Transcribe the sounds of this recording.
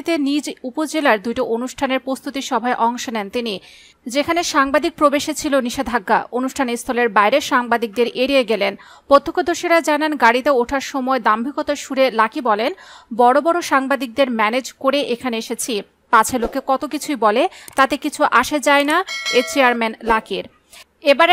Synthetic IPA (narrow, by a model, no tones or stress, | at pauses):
t̪enid͡ʑupod͡ʑelaɾd̪ujʈaʔonuʃʈʰaneɾpɾost̪ʰut̪iʃɔbʱaeʔɔŋʃonɛnt̪ini | d͡ʑekʰaneʃaŋbad̪ik̚pɾobeʃet͡ɕʰiloniʃed̪ʱaɡːa̰onuʃʈʰanist̪ʰɔleɾbajɾeʃaŋbad̪ik̚d̪eɾʔeɽieɡelen | pot̪ʰːokʰːod̪oʃiɾad͡ʑananɡaɽit̪eoʈʰaɾʃɔmɔed̪ambʱikot̪aʃuɾelakibɔlenbɔɽobɔɾoʃaŋbad̪ik̚d̪eɾmɛned͡ʑkoɾeʔekʰaneeʃet͡ɕʰi | pat͡ɕʰelokːekɔt̪okit͡ɕʰujbɔlet̪at̪ekit͡ɕʰuʔaʃed͡ʑaenaet͡ɕeaɾmenlakiɾ | ebaɾ